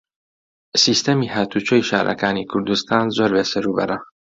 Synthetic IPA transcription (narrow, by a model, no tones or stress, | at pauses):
siːst̪emiːhaːt̪ʰut͡ʃojʃa̰ːɾʔɐ̰kaːnikʰʊɾd̪ust̪ʰaːnzoɾveːsɨɾubɐ̰ɾɐ